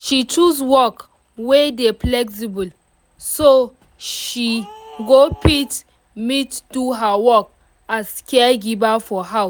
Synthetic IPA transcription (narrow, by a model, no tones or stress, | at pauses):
ʃit͡ʃuzwɔk | wedeplɛksibul | so | ʃiɡopʰit | mitduɦawɔk | askɛɡibafɔɦa